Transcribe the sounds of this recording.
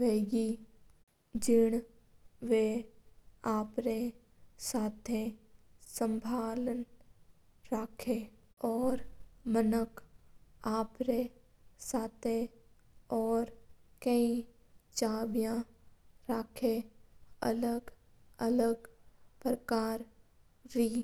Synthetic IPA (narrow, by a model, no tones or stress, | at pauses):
ʋeːɡi | d͡ʒɪɽ̃ | ʋe | aːpɾe | saːt̪ʰe | sə̃mbʱaːlən | ɾaːkʰe | ɔːɾmənək | aːpɾe | saːt̪ʰe | ɔːɾkəĩ | t͡ʃaːbjãɾaːkʰe | ə̰ləɡ | ələɡpɾəkaːɾ | ɾiː